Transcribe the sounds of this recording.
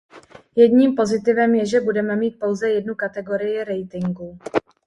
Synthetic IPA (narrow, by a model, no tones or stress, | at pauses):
jɛdɲiːmpo̞zɪt̪ɪvɛmjɛʒɛbudɛmɛmiːt̪̚po̞wzɛjɛdnukat̪ɛɡo̞ɾɪjɪɾɛjt̪ɪŋɡu